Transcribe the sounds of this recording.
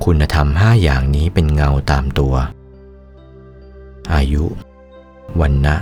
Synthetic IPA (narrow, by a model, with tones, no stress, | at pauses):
kʰu˧nːa˧t̪ʰa˧mɦaː˥˩jaː˨˩ŋniː˦˥pe˧nŋa˧wt̪aː˧mt̪u˧ɐ | ʔaː˧ju˦˥ʔ | wa˧nːa˦˥